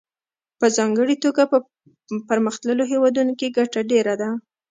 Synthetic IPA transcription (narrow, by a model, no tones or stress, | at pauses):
pəzɑŋɡəɽit̪oɡapə | pəɾməxt̪ləloɦewɑd̪unokeɡaʈaɖeɾad̪a